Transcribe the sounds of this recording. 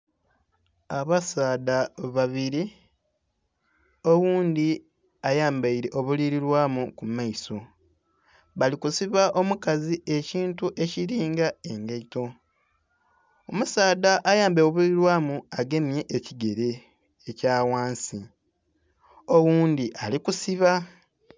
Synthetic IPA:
aβasaːdaβaβiɾi | o̞wuːnd̪i | ajaːmbaiɾe̞ʔo̞βuliɾiɾwaːmukumaiso̞ | βalikusiβaʔo̞mukazie̞ciːntuʔe̞ciɾiːŋɡae̞ŋɡeito̞ | omusaːdaʔːjaːmbeoβuɾiɾwaːmuaɡe̞mje̞ʔːciɡe̞ɾeː | caːwaːnsi | owuːnd̪iʔalikusiβa

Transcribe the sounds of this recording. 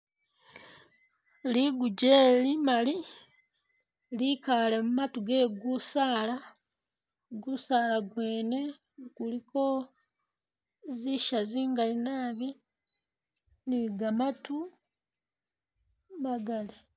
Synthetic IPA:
liɡuɟeːlimali | likalemumatuɡeɡusaːla | ɡusaːlaɡwe̞ːne̞ | kuliko | ziʃaziːŋɡalinaːβi | niɡamatu | maɡali

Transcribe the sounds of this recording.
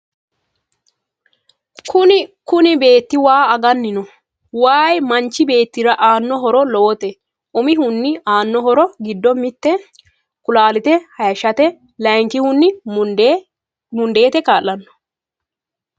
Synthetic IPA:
kʰʊnɪkʊnɪbe̞ːt̪ːɪwaːɐɡɐnːɪnɔ | waːjmɐnt͡ʃːɪbe̞ːt̪ːɪɾɐʔaːnːɔɦɔɾɔloːt̪ɛ | ʊmɪhʊnːɪaːnːɔɦɔɾɔɡɪd̪ːɔmɪt̪ːɛ | kʊlaːlɪt̪ɛhɐjɐʃɐt̪ɛ | lɐjŋkɪhʊnːɪ | mʊnd̪e̞ːt̪ɛkaːlːɐnːɔ̥

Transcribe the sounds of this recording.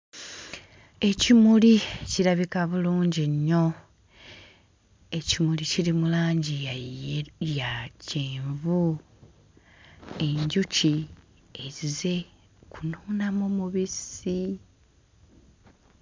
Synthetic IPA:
e̞cimuliciɾaβikaβuluːɲɟiɲːo̞ | e̞cimuliciɾimulaːɲɟi | jaceːɱvu | e̞ɲɟuci | ezize̞ | kunuːnamomuβisi

